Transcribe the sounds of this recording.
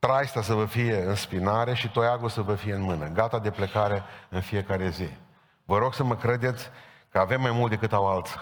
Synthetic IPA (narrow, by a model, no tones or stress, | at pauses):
t̪ɾajst̪as̬əvəfije̞ɨnspinaɾe̞ʃit̪o̞jaɡulsəvəfijeɨnmɨnəɡat̪ad̪e̞pləkaɾe̞ɨnfije̞kaɾe̞zi | vəɾo̞ɡsəməkɾe̞d̪e̞t̪sʲ | kəave̞mːajmult̪d̪e̞kɨt̪awalt̪s